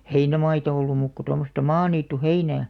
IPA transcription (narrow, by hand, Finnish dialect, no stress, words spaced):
heinæmɑitɑ olːum muːk ko tomːostɑ mɑːniːtːuheinæː